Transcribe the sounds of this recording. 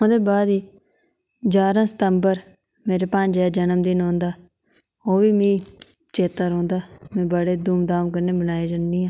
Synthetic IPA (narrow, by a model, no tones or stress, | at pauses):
õːd̪eːbaːd̪iː | d͡ʒaːɾãːsə̥t̪əmbəɾ | meːɾeːpə̃ɲd͡ʒɛːd͡ʒənəmd̪ɪnõːnd̪aː | oːʋiːmĩː | t͡ʃeːt̪əɾõːnd̪aːmɛ̃ːbəɽeːd̪uːmd̪aːmkəɾneːbənaːeːd͡ʒandiːãː